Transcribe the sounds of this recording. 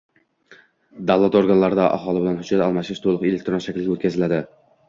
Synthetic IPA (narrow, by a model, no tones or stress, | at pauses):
d̪avlˠat̪oɾɡanlˠaɾd̪aʔɑ̰ɦɒlˠɪbɪlanhʊd͡ʒːat̪ɑɒlˠmaʃɪʃt̪ʰolˠʊqelek̚t̪ɾonʃækʲlɪɡʲot̪kʲʰazɪlad̪ɪ